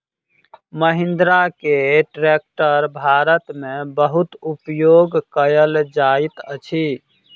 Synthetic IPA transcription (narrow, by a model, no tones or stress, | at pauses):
məɦĩnd̪ɾakeʈɾek̚ʈəɾbʱaɾət̪mebəɦut̪upjoɡkəjəld͡ʒajt̪ət͡ʃʰi